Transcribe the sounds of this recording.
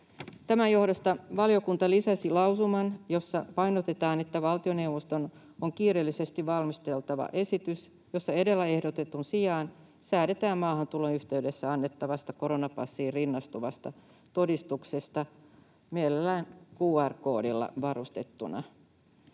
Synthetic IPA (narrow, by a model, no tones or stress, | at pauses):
t̪æmænjo̞hdost̪ɑʋɑlio̞kunt̪ɑlisɑsilɑwsumɑnjo̞sːɑpɑjnot̪et̪ɑːnet̪ːæʋɑlt̪io̞ne̞wʋost̪o̞n | oŋkiːrelːise̞st̪iʋʋɑlmist̪e̞lt̪ɑʋɑ̰ʔe̞sit̪ys | jo̞sːɑe̞de̞lːæe̞hdot̪e̞t̪unsijɑːn | sæːde̞t̪æːmmɑːɦɑnt̪ulo̞nyht̪e̞ydesːæɑnːet̪ːɑʋɑst̪ɑko̞ɾonɑpɑsːiːrrinːɑst̪uʋɑst̪ɑ | t̪o̞dist̪ukse̞st̪ɑ | mielelːæːnkuːærko̞̰ːdilːɑ̰ʋɑrust̪e̞t̪ːunɑ̰